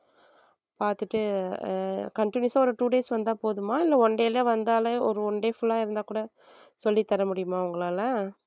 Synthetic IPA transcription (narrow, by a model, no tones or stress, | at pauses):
paːɾt̪ɯʈːɯ | kɐɳʈɪnjsãːɔɾɯʈuːɖeːsʋɐnd̪aːpoːðɯmãːɪlːɐɔɳɖeːleːʋɐnd̪aːlɐɔɾɯɔɳɖeːfʊlːãːɪɾɯnd̪aːkuːɽɐ | sɔlːit̪ɐɾɐmʊɽɪjɯmãːɐʊŋɡɐɭaːlɐ